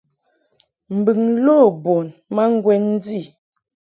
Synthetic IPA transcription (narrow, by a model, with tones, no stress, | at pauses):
m̩˨bi˨ŋlo˦˨bɔ˨nma˦ŋ˦ɡwɛ˦n˦d͡zi˦˨